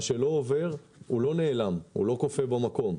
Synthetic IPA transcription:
ʃe̞lo̞ːve̞ʁ | ulo̞ne̞ːlamhṵlo̞ko̞febamako̞m

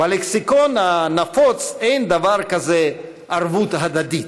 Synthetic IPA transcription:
baleksikonhanafot͡sejnd̪avaʁkaze | ʔaʁvut̪ɦad̪ad̪it

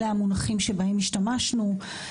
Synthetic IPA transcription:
eamunaχimʃebahemiʃtamaʃnu

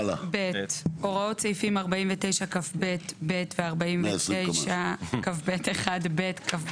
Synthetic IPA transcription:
beʔoʁao̞tt͡sejfimaʁbaimvete̞jʃakafbetbe̞tveaʁbaimetejʃakafbeteχadbetkaf

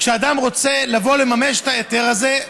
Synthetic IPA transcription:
kʃead̪amʁo̞t͡se̞lavo̞lemameʃet̪aet̪eʁaze̞

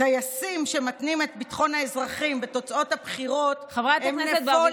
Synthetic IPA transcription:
ajasimʃe̞matnimet̚bitχo̞nhaezʁaχimbeto̞t͡sao̞thabχiʁo̞tavʁatemneeo

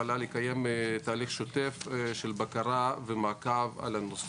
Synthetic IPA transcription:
alalikajemt̪aːliχʃot̪efʃelbakaɾavemaːkava̰lanos

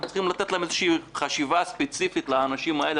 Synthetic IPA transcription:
t͡sχimlat̪etlamezeʃiːχaʃivaspet͡sifitleːnaʃimael

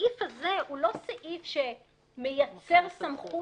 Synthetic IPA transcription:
ifhaze̞hulo̞saʔifʃe̞ | mejat͡se̞ʁsamχu

